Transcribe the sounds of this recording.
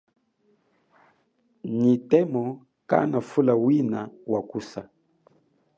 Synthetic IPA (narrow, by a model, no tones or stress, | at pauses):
nitɛmɔ | ka̰nafulawinawakusa